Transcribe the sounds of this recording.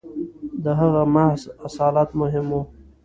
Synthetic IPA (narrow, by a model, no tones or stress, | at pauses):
d̪əɦaɣamahzasɑːlat̪mʊɦɪmo